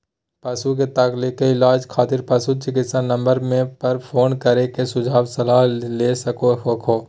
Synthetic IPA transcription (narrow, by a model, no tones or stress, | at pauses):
pɐsuk̬et̪ɐklɪkeɪlaːd͡ʒkʰaːt̪ɪɾpɐsut͡ʃɪkɪt̪sanɐ̃mbəɾmẽpɐɾpʰoːnkɐɾekesʊd͡ʒʱaːbsɐlaːɦleːsɐkoɦokʰoː